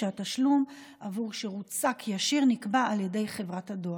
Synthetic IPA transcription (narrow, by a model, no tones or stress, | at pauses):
ataʃlum | ʔavuʁʃeʁut͡sakʰjaʃiʁnikbaːljede̞jχe̞vʁathadoa